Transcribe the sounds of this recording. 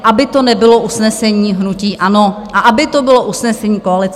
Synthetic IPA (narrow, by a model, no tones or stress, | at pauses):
ʔabɪt̪o̞nɛbɪlo̞ʔusnɛsɛɲiːɦnuciːʔano̞ʔaʔabɪt̪o̞bɪlo̞ʔusnɛsɛɲiːkoalɪt͡s